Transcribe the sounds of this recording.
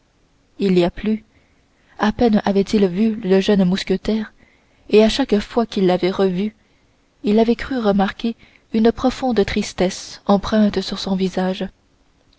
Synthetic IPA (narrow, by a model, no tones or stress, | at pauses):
iliaply | apɛnavɛt̪ilvyləʒœnmuskʲət̪ɛːʁ | eaʃakfwakʲilːavɛʁəvy | ilavɛkχyʁəmaʁkʲe | ynəpχɔfɔ̃d̪ət̪χist̪ɛsɑ̃pχɛ̃t̪əsyʁsɔ̃vizaʒ